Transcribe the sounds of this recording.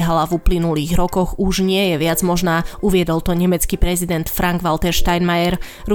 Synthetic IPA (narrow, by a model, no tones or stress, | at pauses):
ɦalavuplinuliːɣɾɔkɔɣuʒɲɪɛjɛʋɪad͡zmɔʒnaːuʋɪɛd̪ɔlt̪ɔɲɛmɛt͡skipɾɛzid̪ɛnt̪fɾaŋɡʋalt̪ɛɾʃt̪ajnmajɛɾ | ɾu